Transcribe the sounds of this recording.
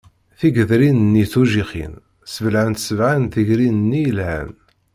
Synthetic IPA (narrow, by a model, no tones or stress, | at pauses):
θiɡəðɾinənːiθuʒiχḭn | səvəlʕənt̪səvʕanθəʝɾinənːijəlʕæ̰n